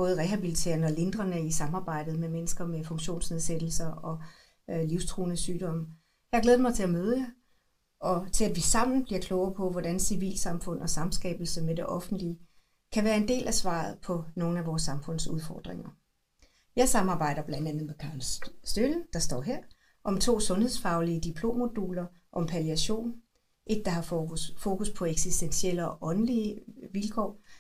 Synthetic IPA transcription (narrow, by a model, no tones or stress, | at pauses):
b̥ɔ̽ːð̞̩ˠʁɛɦæb̥ilit͡sʰe̝̰ːɐnɒ̽le̝nd̥ʁɐnəisɑ̈mɑ̈ːb̥ɑ̈ɪ̰d̥ð̞̩ˠmemenəsɡ̥ɐmefɔ̽ŋɕo̝̰ːnsneðˠsed̥l̩sɐɒ̽ | liʊst͡sʰʁuːnəsyːd̥ɒ̽m̰ | jɑɪɐɡ̥leːð̩ˠəmɑ̈ɪt͡sʰe̝æmøːð̞ˠəjɑ | ɒ̽t͡sʰe̝læd̥ʋisɑ̈m̰n̩b̥liɐkʰlɔʊɐpʰɒ̽ʋɒd̥ænsiʋḭːlsɑ̈mfɔ̽n̰ʔɒ̽sɑ̈msɡ̥ɛ̰ːb̥l̩səmede̝ʔɒ̽fn̩d̥li | kʰæʋæːɐe̝nd̥e̝̰ːlʔæsʋɑ̰̈ð̞̩ˠpʰɒ̽no̝ːn̩æʋɒːsːɑ̈mfɔ̽n̰suð̞ˠfɒːd̥ʁeŋɐ | jɑ̈ɪsɑ̈mɑ̈ːb̥ɑ̈ɪ̰ɾɐb̥lænd̥ænð̩ˠmekʰɑ̈ːlsd̥øln̩d̥ɑ̈sd̥ɒ̰ːɦeɐ̰ | ʔɒ̽mt͡sʰo̝̰ːsɔ̽nhe̝ðˠsfɑ̈ʊliəd̥ipʰlo̝̰ːmːo̝d̥uːlɐ | ʔɒ̽mpʰæliæɕo̝̰ːn | ʔe̝d̥̚ːɑ̈ɦɑ̈fo̝ːkʰuspʰɒ̽eɡ̥sisd̥ensiel̰əɒ̽ʔɒ̽nliəʋilkʰɒ̰ː